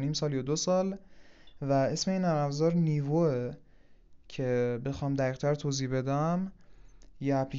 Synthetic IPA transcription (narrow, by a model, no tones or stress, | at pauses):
niːmsɒːljɒd̪osɒːl | væe̞sme̞iːnæɾæbzɒːɾniːvoe | cʰe̞be̞xɒːmd̪æʁiːɣt̪ʰæɾt̪ʰoːziːbe̞d̪æm | jeæpʰli